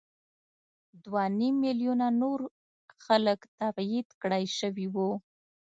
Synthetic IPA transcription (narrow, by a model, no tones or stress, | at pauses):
d̪wanimːiljunanoɾ | xaləkt̪afjid̪kɽajʃəwiwu